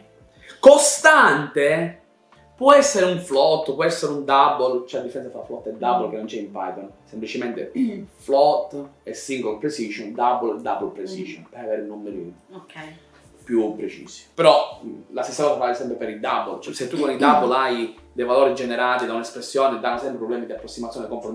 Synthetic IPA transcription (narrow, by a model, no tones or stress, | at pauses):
kost̪ant̪e | pwɔɛsːeɾeuɱflɔt̪ːpwɔɛsːeɾeund̪abolt͡ʃɛad̪ːifeɾɛnsafɾaflɔt̪ːed̪abːolk̟enːont͡ʃɛimpajt̪onsemplit͡ʃement̪ḛflɔt̪ːesːiŋɡolpɾesiʃɔnd̪aboled̪abolpɾesiʒɔnpeɾaveːɾunːomːeɾik | pːjupːɾet͡ʃḭːsi̥peɾɔlast̪esːakɔːsafalesɛmpɾepeɾid̪abolt͡ʃɛset̪ːukːonid̪abːolajd̪ejvaloːɾid͡ʒeneɾaːt̪id̪aunaespɾesːjɔːned̪anːosɛmpɾepɾɔblɛːmid̪iapːɾosːimat̪sjond̪ikõɱfoɾm